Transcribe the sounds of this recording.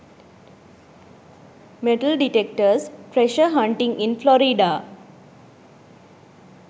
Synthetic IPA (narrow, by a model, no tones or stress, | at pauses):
meʈəlɖiʈek̚ʈəspɾeʃəɦãɳʈɪ̃ŋɡɪ̃nflɔɾiɖa